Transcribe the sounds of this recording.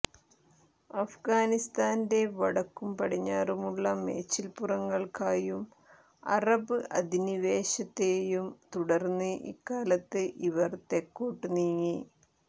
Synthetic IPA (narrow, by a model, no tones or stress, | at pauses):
ɐfɡaːnist̪aːnde̞ʋɐɽɐkːumpɐɽiɲːaːrumuɭːɐme̞ːt͡ɕːilpurɐŋːɐɭkaːjum | ɐ̰rɐbɨʔɐ̰d̪ʱiniʋe̞ːɕɐt̪ːeːjumt̪uɽɐrnːɨʔḭkːaːlɐt̪ːɨʔiʋɐrt̪e̞kːoːʈːɨniːŋi